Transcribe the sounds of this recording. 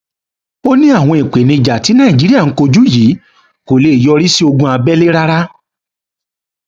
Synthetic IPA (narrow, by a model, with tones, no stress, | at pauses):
o˦nĩ˦a˦˨w̃ɔ̃˧ẽ˨k͡pe˨nĩ˧d͡ʒa˨ti˨˦nã˦˨i˨d͡ʒi˦i˦a˦˨ŋ̩˦ko˧d͡ʒu˦jiː˨˦ | ko˨le˨jɔ˧ɾi˦si˦o˧ɡũ˧a˧bɛ˦le˦ɾa˦ɾa˦